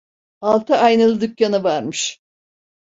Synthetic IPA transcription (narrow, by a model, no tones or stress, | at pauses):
alˠt̪ʰaajnɯlˠɯd̪ykjanavaɾmɯʃ